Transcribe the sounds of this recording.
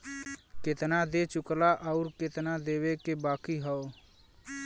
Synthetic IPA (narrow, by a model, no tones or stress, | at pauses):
kɪt̪nad̪et͡ʃʊklaʔəʊɾkɪt̪nad̪eːwekebaːkiɦɔo